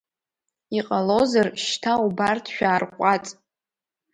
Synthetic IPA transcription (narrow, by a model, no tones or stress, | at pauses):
iqʼalozarʃtʰaubartʰʃᶣaːrqʷʼat͡sʼ